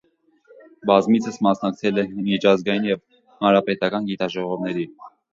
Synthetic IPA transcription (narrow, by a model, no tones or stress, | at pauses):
bɑzmit͡sʰəsmɑsnɑk̚t͡sʰɛlɛmit͡ʃʰɑzɡɑjinjɛv | hɑnɾɑpɛt̪ɑkɑnɡit̪ɑʒɔʁɔvnɛɾi